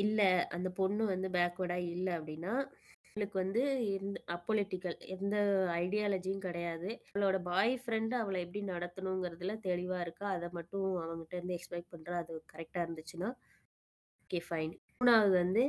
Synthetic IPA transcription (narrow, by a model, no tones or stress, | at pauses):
ɪlːɐɐ̰nd̪ɐpɔɳːɯʋɐnd̪ɯbaːkʋɐɽaːɪlːɐːpːɐɽɪnːaː | ɭɯkːɯʋɐnd̪ɯɐpːolɪʈːɪkːɐlɛnd̪ɐɐɪɽɪjaːlɐd͡ʒijʊ̃kɪɽɐjaːðɯɐɭoːɽɐbaːjfɾɛɳɖɐʋɐɭɐɛp̬ːɐɽinɐɽɐt̪ːɯnʊ̃ɛŋɡɪɾɐðɯlɐt̪ɛɻɪʋaːɪɾɯkːaɐðɐmɐʈːʊ̃ɐʋɐŋɡɪʈːɐɪɾɯnd̪ɯɛkspɐɪʈ̚pɐɳːɾaɐðɯkɐɾɛk̚ʈaːɪɾɯnd̪ɯt͡ʃːɯnaː | oːkeːfɐɪn | naːɣɯʋɐnd̪ɯ